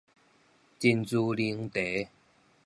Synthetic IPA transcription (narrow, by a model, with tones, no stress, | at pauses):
t͡ɕi˧nt͡su˧li˧ŋt̪e˨˦